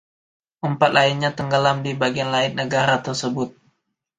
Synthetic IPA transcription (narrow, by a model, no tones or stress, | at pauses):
ʔəmpat̪̚lʔaɪnɲat̪əŋɡəlamdibaɡianlaɪn̚nəɡaɾat̪ərsəbʊt̪̚